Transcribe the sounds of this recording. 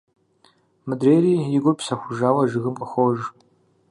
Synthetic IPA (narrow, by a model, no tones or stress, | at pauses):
mɨdreːjɾiːjɪɡʷʊpsɐxʷʊʒaːwɐʒɨɣɨmqʼɐxʷoʒ